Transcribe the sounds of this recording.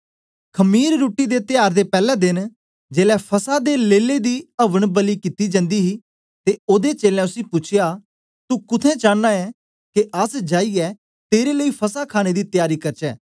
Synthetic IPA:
kʰəmiːɾːoːʈːiːd̪eːt̪ɪjaːɾd̪eːpɛːlɛ̃ːd̪ɪn | d͡ʒeːlɛːpʰəsad̪eːleːled̪iːəʋəɳ̃bəliːkɪt̪iːd͡ʒə̃nd̪iːɦiː | t̪eːoːd̪et͡ʃeːlɛ̃ːʊsĩːpʊt͡ʃʰɪjaː | t̪ukʊt̪ʰɛ̃ːt͡ʃãːnːaːɛː | keʔəsd͡ʒaːiːɛː | t̪eːɾeːləiːpʰəsakʰaːɽ̃eːd̪iːt̪ɪjaːɾiːkəɾt͡ʃɛː

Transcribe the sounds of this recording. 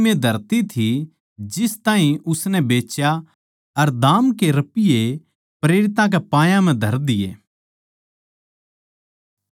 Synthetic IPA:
mẽd̪ʱɐɾt̪it̪ʰi | d͡ʒɪst̪ãːɦĩʊsnɛbeːt͡ʃja | ɐɾd̪aːmkeɾɐpɪje | pɾeːɾɪt̪ãk̬ɛpãːjãmɛ̃d̪ʱɐɾd̪ɪjḛː

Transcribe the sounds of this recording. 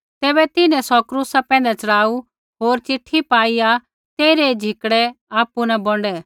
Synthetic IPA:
t̪ɛːbɛt̪ɪnɛ̃sɔkɾuːsapɛ̃ːnd̪ɛt͡ʃɐɽaːu | ɦoːɾt͡ʃɪʈʰːipaːia | t̪eːiɾɛd͡ʒʱɪkɽɛaːpunabɔ̃ɳɖɛː

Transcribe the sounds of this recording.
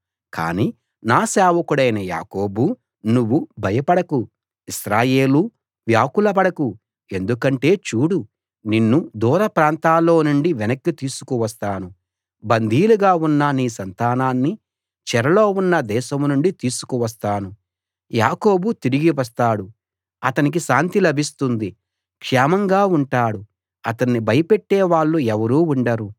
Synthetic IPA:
ka̰ːniː | naːsɛːʋɐkuɽɐjnɐja̰ːko̞ːbu | nuʋːubʱɐjɐpɐɽɐku | iʃɾaːje̞ːlu | ʋjaːkulɐpɐɽɐku | e̞nd̪ukɐɳʈe̞ːt͡ʃuːɽu | ninːud̪uːɾɐpɾaːnt̪aːlːo̞ːnuɳɖiʋɛnɐkːit̪iːsu̥kuʋɐst̪aːnu | bɐnd̪ʱiːluɡaːunːɐniːsɐnt̪aːnaːnːi | t͡ʃɛɾɐlo̞ːunːɐd̪ɛːʃɐmnuɳɖit̪iːsu̥kuʋɐs̬t̪aːnu | ja̰ːko̞ːbut̪iɾiɡiʋɐs̬t̪aːɽu | ɐt̪ɐnik̬iʃaːnt̪ilɐbʱist̪und̪i | kʂɛːmɐŋɡaːuɳʈaːɽu | ɐt̪ɐnːibɐjɐpeʈːeːʋaːɭːuɛʋɐɾuːuɳɖɐɾu

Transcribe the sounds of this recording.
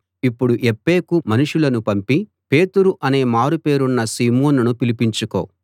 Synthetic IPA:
ipːuɽuʔepːe̞ːkumɐnuʂulɐnupɐmpi | pe̞ːt̪uɾuʔɐne̞ːmaːɾupe̞ːɾunːɐsiːmoːnɐnupilipiɲt͡ʃuko̞̰ː

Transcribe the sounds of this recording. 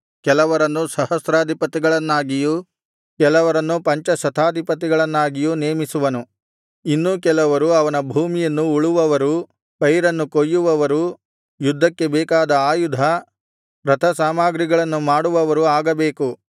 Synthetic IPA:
kɛlɐʋɐɾɐnːusɐɦɐsɾaːd̪ʱipɐt̪iɡɐɭɐnːaːɡiju | kɛlɐʋɐɾɐnːupɐɲt͡ʃɐsɐt̪ʰaːd̪ʱipɐt̪̬iɡɐɭɐnːaːɡijuneːmisuʋɐnu | inːukɛlɐʋɐɾuɐʋɐnɐbʱuːmijɐnːuːɭuʋɐʋɐɾu | pɐjɾɐnːukojːuʋɐʋɐɾu | jud̪ʱːɐkːe̞bɛːkaːd̪ɐaːjud̪ʱɐ | ɾɐt̪ʰɐsaːmaːɡɾiɡɐɭɐnːumaːɽuʋɐʋɐɾuaːɡɐbeːku

